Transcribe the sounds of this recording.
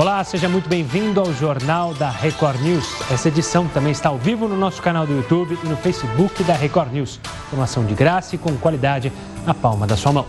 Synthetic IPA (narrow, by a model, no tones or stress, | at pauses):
olaseʒɐmũj̃t̪ʊbẽj̃vĩnd̪ʊawʒoɾnawd̪ɐhekɔɾnusɛsɐed͡ʒisɐ̃w̃t̪ɐ̃mbẽj̃ɪst̪aawvivʊnʊnɔsʊ̥kanawd̪ʊut̪ubɪɪnʊfejsɪbukɪd̪ɐɦekɔɾnus | foɾmasɐ̃w̃d͡ʒɪɡɾasɐkõw̃kwalid̪ad͡ʒɪ | nɐpawmɐd̪ɐsuɐmɐ̃w̃